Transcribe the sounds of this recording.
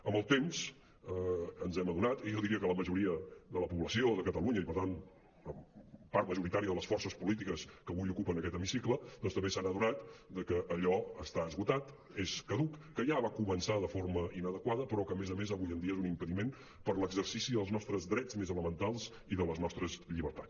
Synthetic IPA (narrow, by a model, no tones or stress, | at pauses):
əmbəlˠt̪emz̥ | əənzɛməðunat̪iʒɔðiɾiəkələməʒuɾiəðələpuβləsioðəkət̪əluɲəipəɾt̪an | əmpaɾt̪məʒuɾit̪aɾiəðələsfɔrsəspulit̪̬ikəskəβujukupənəkɛt̪əmisikləd̪ɔnst̪əmbesanəðunat̪d̪əkəʔːʎɔəst̪aəzɣut̪at̪ | eskəðukːəʒaβakumənsaðəforməʔinəðəkwaðəpɾɔkəmezəmezaβujənd̪iəezunimpəðimen | pəɾləɡzərsisiðəlˠznɔst̪ɾəzðɾɛd͡zmezələmənt̪alˠz | iðələznɔst̪ɾəzʎiβəɾt̪at͡s